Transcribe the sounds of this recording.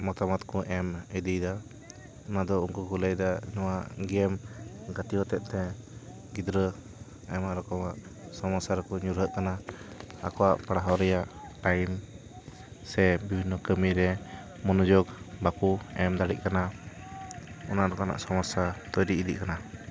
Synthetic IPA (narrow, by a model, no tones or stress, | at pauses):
mɔt̪amat̪kɔʔɛmid̪ijd̪a | ɔnad̪ɔuŋkukuləjd̪aɲɔwaɡɛmɡat̪iɦɔt̪ɛt̪̚t̪ɛ | ɡid̪ɾə | ɛmaʔɾɔkɔmaʔsɔmasaɾkɔɲuɾɦəʔ̪̚kanaa̰kɔwaʔpaɽaɦɔɾɛjaʔʈajm | sɛbibʱinːɔkəmiɾɛ | mɔnɔd͡ʒɔɡbapuɛmd̪aɽḭʔ̚kana | ɔnaʔɾɔkɔma̰ʔsɔmasat̪ɔjɾiid̪ḭʔkana